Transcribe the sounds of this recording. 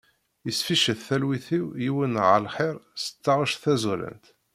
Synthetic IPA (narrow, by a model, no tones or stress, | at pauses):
jəsfiʃəθθælwiθiwjiwənʕəlħɪɾˤsə̥t͡sːɑʁəʃθæzuɾə̰nt̪